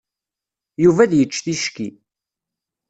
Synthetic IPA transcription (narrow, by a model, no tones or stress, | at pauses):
juvæðjət͡ʃːθiʃkḭ